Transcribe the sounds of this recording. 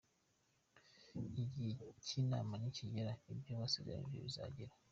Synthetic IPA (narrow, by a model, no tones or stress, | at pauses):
iɟicʰinamanicijeɾaibjoβasiɡa̰nḭbḭβiza̰ɟeɾa